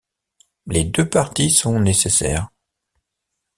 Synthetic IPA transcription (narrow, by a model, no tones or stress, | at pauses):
led̪øpaʁt̪isɔ̃nesesɛ̰ːʁ